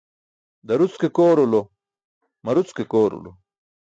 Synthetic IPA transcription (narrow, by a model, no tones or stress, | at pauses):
d̪ɐɾut͡skekoːɾolo | mɐɾut͡skekoːɾṵlo̰